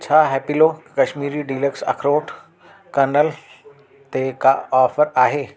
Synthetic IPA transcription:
t͡ɕʰaːɦɛːpilokɐʃmiːɾiɖiːləksɐ̰kʰɾoːʈ | kɐnəl | t̪ekaɔːfəɾaːɦeː

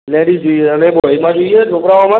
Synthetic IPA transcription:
lɛɽid͡ʒoeəneboimãd͡ʒoied͡ʒʱokɾaʋamã

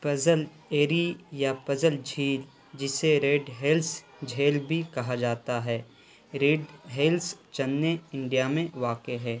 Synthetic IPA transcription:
pɐzəl | eːɾijapɐzəld͡ʒʱiːl | d͡ʒɪseɾeːɖɦeːls | d͡ʒʱeːlbʱikɐɦad͡ʒaːt̪aɦɛː | ɾeːɖɦeːlst͡ʃɐnːeɪ̃ɳɖijamẽʋaːkeɦɛː

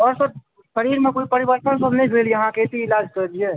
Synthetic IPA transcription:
ɔːɾsəb̚ | ʃəɾiɾmẽkoːipəɾibəɾt̪ənsəbnəɦĩɡʱeljɐɦãket̪iɪlaːd͡ʒkəɾd̪ie

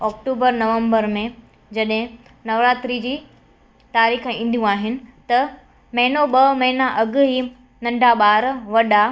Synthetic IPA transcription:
ɔːkʈuːbəɾnɐʋə̃mbəɾmẽ | d͡ʑɐɗɦɪ̃ | nɐʋɾaːt̪ɾid͡ʑiː | t̪aːɾiːxĩːnd̪ʱijũaːɦɪnɪ̆t̪ɐ | mɐɪnoɓɐmɐɦinaʔɐɡɦi | nɐ̃ɳɖʱaɓaːɾʋɐɗa

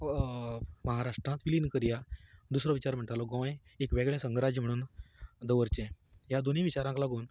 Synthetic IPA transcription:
məɦaɾaʂʈɾãt̪ʋiliːnkəɾijad̪usɾɔʋit͡ɕaɾm̤əɳʈalɔɡɔ̃ʋãj | ekʋɛɡɭɛ̃səŋɡɾad͡ʑm̤əɽ̃uːnd̪əʋəɾt͡ɕẽ | ɦjad̪oniʋit͡ɕaɾãklaɡuːn

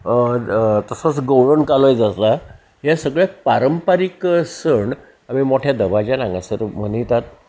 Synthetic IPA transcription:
t̪əsət͡sɡəwɽəɳkalojd͡zasla | ɦesəɡɭapaɾəmpaɾiksəɳɖ | amimoʈʰjad̪əbad͡ʑanãŋɡãsəɾm̤ənijt̪at̪̚

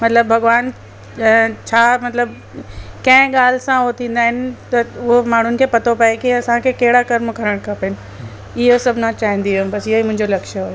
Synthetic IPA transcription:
mɐt̪ləbbʱɐɡʋaːn | t͡ɕʰaːmɐt̪ləb | kɐ̃ɦɪ̃ɠaːl̤sãʊɦot̪ʰĩːn̆d̪aːɦɪnɪ̆t̪ɐʊɦomaːɳ̤ʊnɪ̆kʰeːpɐt̪ʰopɐekiɐsãkʰekɐɦɪɽakɐɾmkɐɾəɽ̃kʰɐpɪnɪ | ɪɦosɐbʱnãt͡ɕaːɦɪ̃nd̪iobɐsɪɦoimʊ̃ɦɪ̃ɲd͡ʑolɐkʃəɦoːjo

